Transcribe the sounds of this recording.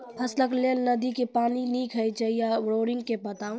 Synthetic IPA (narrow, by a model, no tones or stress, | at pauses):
pʰəsləkleːlnəd̪ikepaːniniːkʰɦɛjt͡ʃəjaɾoːɾɪ̃ŋɡkebət̪aːũ